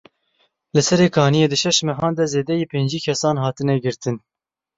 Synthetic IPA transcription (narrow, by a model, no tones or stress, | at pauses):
lɨsɛɾeːkʰɑːnijeːd̪ɨʃɛʃmɛɦɑːnd̪ɛzeːd̪ɛjiːpʰeːnd͡ʒiːkʰɛsɑːnhɑːt̪ɨnɛɡɨɾt̪ʰɨn